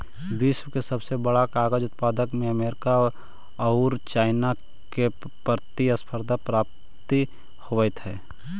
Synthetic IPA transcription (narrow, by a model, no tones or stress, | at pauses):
d̪ɪswkesəbsebəɽakaːɡəd͡ʒʊt̪̚paːd̪əkmẽəmeːɾɪka | ɐʊɾt͡ʃaːɪna | ke | pəɾt̪iɐspʰəɾd̪ʱapɾaːp̚ | t̪i | hoʋət̪ʰɦɛː